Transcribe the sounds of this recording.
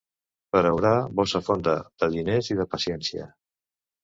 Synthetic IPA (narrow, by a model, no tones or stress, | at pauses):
pəɾəwɾaβɔsəfond̪əð̥əðineziðəpəsiɛnsiə̰